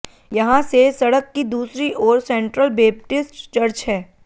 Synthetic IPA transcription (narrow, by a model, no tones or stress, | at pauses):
jɐɦãsesɐɽəkːid̪uːsɾiʔɔːɾsɛ̃ːɳʈɾəlbeːp̚ʈɪsʈt͡ʃɐɾt͡ʃɦɛː